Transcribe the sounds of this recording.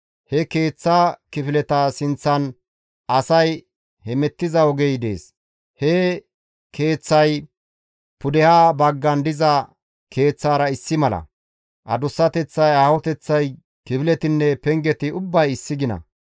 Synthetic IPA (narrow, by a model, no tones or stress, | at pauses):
hɛke̞ːt͡sːaːkɪfɪlɛt̪ɐsɪnt͡sːɐn | ɐsɐj | hɛmɛt̪ːɪzɐɔɡɛjd̪ḛːs | hɛ | kʰe̞ːt͡sːɐj | pʊd̪ɛhaːbɐɡːɐnd̪ɪzɐ | kʰe̞ːt͡sːaːɾɐɪsːɪmɐlɐ̰ | ʔɐ̰d̪ʊsːɐt̪ɛt͡sːɐjaːhɔt̪ɛt͡sːɐj | kɪfɪlɛt̪ɪnːɛpɛŋɡɛt̪ɪʊbːɐjɪsːɪɡɪnɐ̰